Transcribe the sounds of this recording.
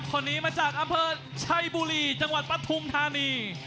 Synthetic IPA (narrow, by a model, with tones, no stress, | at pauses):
kʰo˧˩nːiː˦˥maː˧t͡ɕaː˨˩k̚ʔa˧mpʰɤː˧ | t͡ɕʰa˧jbuː˧ɾiː˧˩t͡ɕa˧ŋwa˨˩t̪̚pɾa˧t̪ʰu˧mt̪ʰaː˧niː˧